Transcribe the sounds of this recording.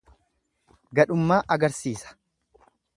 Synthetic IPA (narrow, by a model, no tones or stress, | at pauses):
ɡɐᶑʊmːaːʔɐɡɐɾsiːsɐ̥